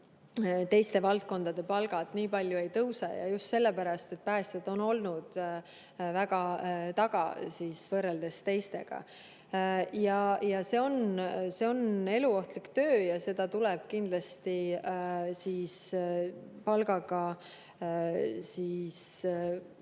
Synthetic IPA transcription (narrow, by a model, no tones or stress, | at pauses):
t̪e̞jst̪e̞vɑlt̪̚ko̞nd̪̥ɑd̪̥e̞pɑlɡ̥ɑd̪̥niːpɑlʲjue̞jt̪ɤwsɑ̰jɑ̰just̪se̞lːepæɾɑst̪e̞t̪̚ːpæːst̪ed̪̥o̞no̞lnud̪̥ | væɡɑt̪ɑɡ̥ɑ̰siːsvɤrːeld̪e̞st̪e̞jst̪e̞̰ɡ̥ɑ̰ | jɑjɑse̞o̞nse̞o̞ne̞luo̞ht̪likt̪ø̞ːjɑse̞d̪̥ɑt̪ulɛb̥̚kind̪lɑst̪i | siːs | pɑlɡɑɡ̥ɑ | siːs